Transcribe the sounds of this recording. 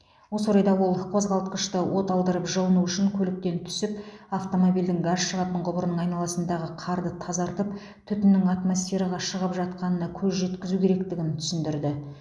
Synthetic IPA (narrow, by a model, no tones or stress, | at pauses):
wo̞soɾɑjd̪ɑwo̞lˠqʰo̞zʁɑlˠt̪qəʃt̪əwo̞t̪ɑlˠd̪əɾəpʒəlˠənuʏʃɪŋkʲʰɵlɪk̚t̪e̞nt̪ʰʏ̥sɪp̚aft̪o̞mo̞bild̪ɪŋɡɑʃʃəʁɑt̪əɴʁʊbəɾənəɴɑjnɑlˠɑsənd̪ɑʁəqʰɑɾd̪ət̪ʰɑzɑɾt̪əp̚ | t̪ʰʏt̪ɪnːɪŋat̪mo̞sfe̞ɾɑʁɑʃəʁəpʒɑt̪̚qɑnənɑkʲʰɵzʒe̞t̪kʲɪzukʲʰe̞ɾe̞k̚t̪ɪɡʲɪnt̪ʰʏ̥sɪnd̪ɪɾd̪ɪ